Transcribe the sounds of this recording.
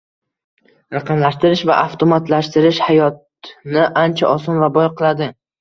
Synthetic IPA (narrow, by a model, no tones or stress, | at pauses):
ɾaqʰɑmlaʃt̪ɪɾɪʃva̰ʔaft̪ʰomat̪laʃt̪ɪɾɪʃhajɒt̪ | nɪʔant͡ʃʰaʔɒsɒnvabɒjqʰɨlˠad̪ɪ